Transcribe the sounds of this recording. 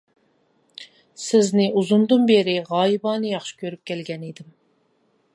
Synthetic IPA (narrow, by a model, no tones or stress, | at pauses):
sɪznɪʔuzʊnd̪ɨnbeɾɪʁɑːjibɑːnɨjɑχʃɪ̥kʲʰøɾyp̚kʲɛlɡʲɛned̪ɪm